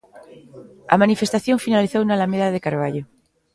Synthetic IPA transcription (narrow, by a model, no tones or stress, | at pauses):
a̰manife̞st̪aθjõɱfinaliθowunalameðaðekaɾβ̞aʎo